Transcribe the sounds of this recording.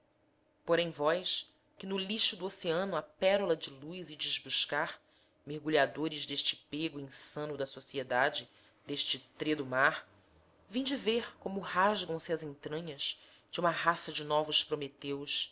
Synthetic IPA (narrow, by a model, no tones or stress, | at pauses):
poɾẽj̃vɔjs | kɪnʊliʃud̪uoseɐ̃nʊɐpɛɾulɐd͡ʒɪlujzɪd͡ʒiʒbuʃkaɾ | mehɡuʎad̪oɾɪzd̪eʃt͡ʃɪ̥peɡʊẽsɐ̃nʊd̪ɐsosied̪ad͡ʒɪ | d̪eʃt͡ʃɪt̪ɾed̪ʊmaɾ | vẽj̃d͡ʒɪveɾkõmʊhaʒɡɐ̃w̃sɪɐzẽnt̪ɾɐ̃ɲɐz | d͡ʒũmɐhasɐd͡ʒɪnɔvʊspɾomet̪ewʃ